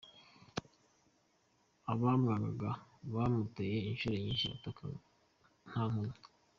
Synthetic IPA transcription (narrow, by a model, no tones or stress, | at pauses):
aβamŋaɡaɡaβamuteje̞inʃuɾe̞ɲiːnʃia̰toka̰ | n̥haːŋuno